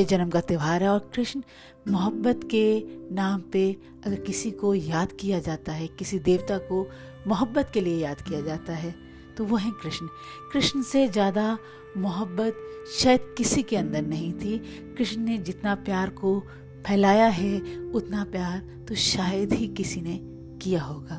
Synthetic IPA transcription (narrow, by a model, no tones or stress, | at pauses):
ed͡ʒɐnəmkat̪ɪʋaːɾɦɛɔːɾkɾɪʃn | mʊɦəbːət̪kenaːmpe | ɐɡəɾkɪsikojaːd̪kijad͡ʒaːt̪aɦɛkɪsid̪eːʋt̪ako | mʊɦəbːət̪keliejaːd̪kijad͡ʒaːt̪aɦɛː | t̪oʋoɦɛ̃kɾɪʃn | kɾɪʃnəsezjaːd̪a | mʊɦəbːət̪ʃaːjəd̪̚kɪsikeɐ̃nd̪əɾnɐɦĩt̪ʰi | kɾɪʃnned͡ʒɪt̪napjaːɾko | pʰɛːlaːjaɦɛʊt̪napjaːɾ | t̪oʃaːjəd̪ɦikɪsine | kijaɦoːɡaː